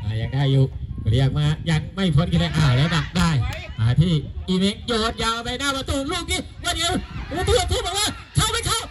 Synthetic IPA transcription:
ʔaː˧˩ja˨˩ŋdaː˧˩jjuː˨˧˩kɔ˨˩˧jaː˨˩k̚maː˧˩jaː˧˩ŋ̚ma˥˩jpʰo˧˥˦nkʰi˧lɛ˧ʔaː˧˩wlɛː˦˥wa˨˩daː˧˩˨jʔaː˨˩t̪ʰiː˧˥˩ʔiː˧me˧˥ŋjoː˨˩t̪̚jaː˧wpa˧jnaː˥˩pa˧t̪uː˧luː˧˩ək̚niː˦˥˩waː˧˦ndi˧˦˧wuː˧˦t̪ʰu˧˥ə˨t̪ʰiː˥˩bɔː˨˩k̚waː˧˩ | kʰa˧˥˩wma˧˩˨kʰa˧˩w

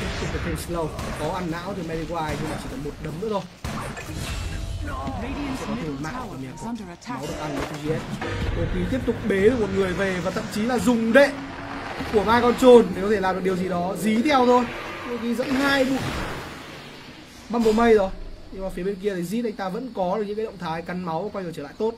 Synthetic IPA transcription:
ʊ˨˩a˨˩pʰi˧nslə˧wkɔ˨˦ʔa˧nːa̰ː˧˥wt̪ʰi˨˩mɛ˧li˧kwaː˧jt̪ʰɨ˧nlaː˨˩t͡ɕi˧˩ɔ˨˦jmo˨˩t̚ɗə˨˦mnɗɨ̰˧˥ət̪ʰo˧j | ɔ˨˦i˨˩˨ma̰ː˧˨aː˨˩mi˨˩kaː˨˦wɗɨ˨˩˨kʔa˧na˨˩t̪ʰu˧zi˧ʔɛ˦˥t̚ɗo˨˩k̪i˨˩t̪i˦˥əp̚t̪ʊ˨˩k͡p̚ɓe˨˦ɨ˧˩mo˨˩ŋɨ˨˩əjve˨˩vaː˨˩t̪ʰə̰˧˨mt͡ɕi˨˦laː˨˩zʊ˨˩ŋ͡mɗḛ˧˨ | ku˧˩əmaː˧jkɔ˧nt͡ɕo˧nne˨wkɔ˧˦e˧˩aː˨˩mɗ̚ɗi˨˩əwzi˨˩ɗɔ˨˦zi˨˦t̪ʰɛ˧wt̪ʰo˧jo˧˦ki˨˧˦zə̰˧˥nhaː˧jɓu˧˩ə | ɓaː˧nmɓo˨˩mə˧jt̪ʰo˨˧˩jɲɨ˧ŋma˨˩fi˨˦ɓe˧nki˧əi˨˦zḭ˧˦˥ŋt̪aː˧və̰˧˥nkɔ˨˦ɗɨ˨˩kɲɨ̰˧˥kaː˨˦ɗə̰˧˨wŋ͡mt̪ʰaː˨˦jka˨˧nma˨˦waː˨˩kɔ˧jŋɨ˨˩t͡ɕəː˧˩a̰ː˧˨jt̪o˦˥t̚

